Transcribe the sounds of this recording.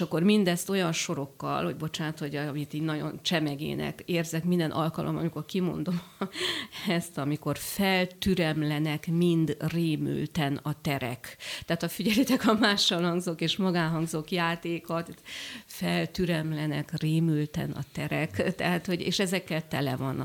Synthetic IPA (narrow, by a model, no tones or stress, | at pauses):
ʃɒkːo̞rmind̪ɛst̪o̞jɒnʃo̞ɾo̞kːɒ̰lho̞ɟ̚bo̞t͡ʃaːnt̪ʰhoɟmit̪iːɟnɒɟo̞̰nt͡ʃɛmɛɡḛːnɛ̰keːrzɛkmind̪ɛnʔɒlkɒlʔo̰mɒ̰miko̞rkimo̞̰nd̪o̞m | ɛst̪ɒmiko̞rfɛlt̪yɾɛmlɛnɛkmind̪reːmy̰lt̪ɛnɒt̪ɛɾɛ̰kt̪ɛaːt̪ɒfiɟɛlit̪ɛkɒmaːʃːɒlhɒŋɡzokeːʃmɒɡaːɦɒŋɡzokjaːt̪eːkɒt̪fɛlt̪yɾɛmlɛnɛkreːmylt̪ɛ̰nɒ̰t̪ɛɾɛkt̪ɛɦaːt̪ho̞ɟḛːʃɛzɛkːɛlt̪ɛlɛ̰vɒnː